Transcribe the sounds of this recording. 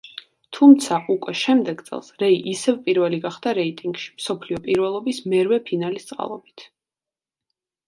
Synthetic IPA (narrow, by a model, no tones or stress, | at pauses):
t̪ʰumt̪sʰaʔukʼwɛʃɛmd̪ɛɡt̪sʼɛ̰lˠsɾɛiʔisɛvpʼiɾvɛliɡaχd̪aɾɛit̪ʼiŋɡʃi̥msɔpʰliɔpʼiɾvɛlˠɔbismɛɾvɛpʰinalist̪sʼqʼa̰lˠɔbit̪ʰ